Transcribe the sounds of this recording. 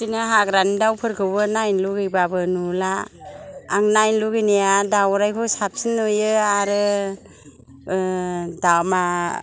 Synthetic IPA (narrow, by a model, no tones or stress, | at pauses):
sinaɦakɾanidawpʰɯɾkʰɯbɯnajnluɡɯjbabɯnulaː | ŋnajnluɡinijadawɾajkʰɔsap̚sinojɯaɾɯ | dama